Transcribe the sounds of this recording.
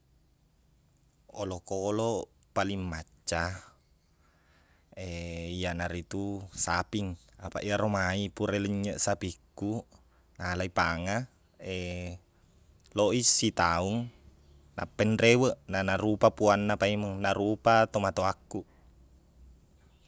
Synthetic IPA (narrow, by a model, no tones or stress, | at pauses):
olokolɔ | paliŋːat͡ʃːa | eijanaɾit̪usapiŋapa̰ʔiaɾomaipuɾɛləɲːəʔsapikːu | nalaipaŋa | e | loʔisːit̪auŋ | na̰pːɛndrewəʔnanaɾupapuanːapaiməŋnaɾupat̪omat̪oakːuʔ